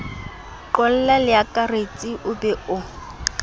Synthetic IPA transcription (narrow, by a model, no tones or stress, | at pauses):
ǃɔl̩lalɪakʼaret͡sʼiʔʊbɛʔʊ